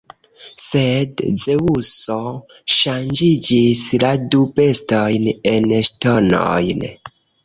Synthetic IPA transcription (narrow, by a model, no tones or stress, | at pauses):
se̞dzeuso | ʃand͡ʒid͡ʒisladupe̞stojneneʃtono̞̰jn